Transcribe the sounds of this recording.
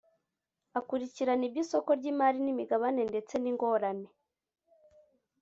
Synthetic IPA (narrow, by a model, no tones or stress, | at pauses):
akuɾiciɾanibɟiso̞ko̞ɾɟiːmaɾinimiɡaβane̞nde̞t͡se̞niŋɡo̞ɾane̞